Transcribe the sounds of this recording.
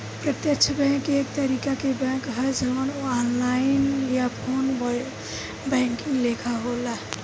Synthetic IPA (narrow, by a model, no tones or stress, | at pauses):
pɾət̪jəkt͡ʃʰəbɛ̃kek̚t̪əɾikakebɛ̃kɦəd͡ʒəmənoanlainjapʰon | bɛ̃ŋkiŋɡlekʰaɦola